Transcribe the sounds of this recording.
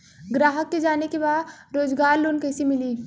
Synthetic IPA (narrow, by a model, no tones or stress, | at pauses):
ɡɾaːɦəkːed͡ʒaːnekebaːd̪ɾoːd͡ʒɡaːɾloːnkɐɪsemɪliː